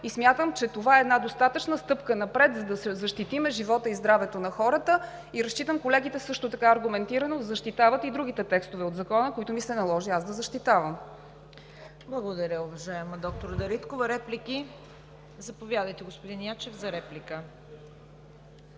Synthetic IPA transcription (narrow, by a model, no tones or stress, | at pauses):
ismʲjat̪əmt͡ʃɛt̪ovaɛːd̪nad̪ost̪at̪ət͡ʃnəst̪ɤpkənɐpɾɛt̪zɐd̪ɐszɐʃt̪it̪imɛʒivɔt̪əizd̪ɾavɛt̪onɐxɔɾət̪ə | iɾɐst͡ʃit̪əmkolɛɡ̟it̪ɛsɤʃt̪ot̪ɐkaːɾɡʊmɛnt̪iɾənozɐʃt̪it̪avət̪id̪ɾuɡ̟it̪ɛt̪ɛkst̪ovɛod̪zɐkɔnəkoit̪ʊmisɛnɐlˠɔʒiasd̪ɐzɐʃt̪it̪avəm | blˠɐɡod̪ɐɾʲjəʊvɐʒajɛməd̪ɔk̚t̪oɾd̪ɐɾit̪kovɐɾɛpliki | zɐpovʲjad̪əjt̪ɛɡospod̪injat͡ʃɛfzɐɾɛplikə